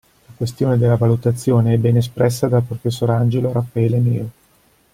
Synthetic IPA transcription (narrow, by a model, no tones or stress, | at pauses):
lakwest̪joːned̪elːavalut̪at̪sːjoːneɛbɛnes̬pɾɛsːad̪alpɾofesːoɾand͡ʒeloɾafaɛːlemeːo